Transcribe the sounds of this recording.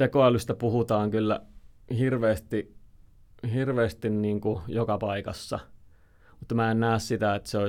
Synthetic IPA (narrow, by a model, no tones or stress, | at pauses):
t̪ekoɑlyst̪æpuhut̪ɑːŋkylːæ̰hirʋeːst̪i | hirʋeːst̪inniːŋkujokɑpɑikɑ̰sːɑ̰ | mut̪ːmæennæːssit̪æet̪ːseo